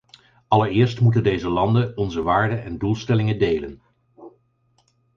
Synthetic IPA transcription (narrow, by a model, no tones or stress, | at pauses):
ɑləɹɪːɹstmutəndejzəlɑndəɔnzəʋaːɹdənʔɛndulˠstɛlɪŋədejlən